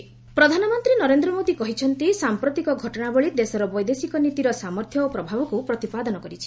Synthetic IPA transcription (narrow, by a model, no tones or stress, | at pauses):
pɾɔd̪ʱanɔmɔnt̪ɾinɔɾend̪ɾɔmod̪ikɔɦit͡ʃʰɔnt̪isampɾot̪ikɔɡʱɔʈɔɽabɔɭid̪esɔɾɔbɔjd̪esikɔnit̪iɾɔsamɔɾt̪ʰjɔopɾɔbʱabɔkupɾɔt̪ipad̪ɔnɔkɔɾit͡ʃʰi̥